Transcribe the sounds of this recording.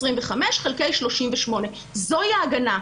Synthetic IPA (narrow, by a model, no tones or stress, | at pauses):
ʁimveχameʃχelkejʃlo̞ʃimveʃmo̞ne̞ | zo̞iaɡana